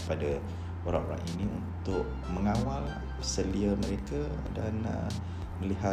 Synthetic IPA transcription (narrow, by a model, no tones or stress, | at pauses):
pada | oɾa̰ʔo̰ɾa̰ŋʔiniṵnt̪ʊʔ̚ | məŋawal | səliəməɾeka | danə̰ | məliɦa